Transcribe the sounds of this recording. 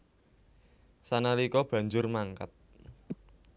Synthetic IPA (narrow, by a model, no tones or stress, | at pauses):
sanalikɔb̥ä̤ɲd͡ʒʊrmaŋka̰t̪̚